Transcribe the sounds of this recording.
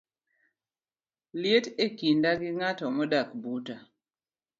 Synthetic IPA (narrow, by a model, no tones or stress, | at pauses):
ljetekindaɡɪŋatɔmɔdakbuta